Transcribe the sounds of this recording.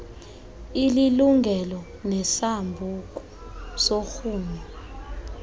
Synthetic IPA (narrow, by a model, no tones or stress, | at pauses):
ililuŋʱɛlɔ | nɛsambʱuk̬ʼu | soxuːma